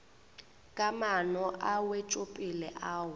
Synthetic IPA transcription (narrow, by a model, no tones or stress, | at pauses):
kʼamanɔʔawet͡ʃʼopʼilɛʔaːwʊ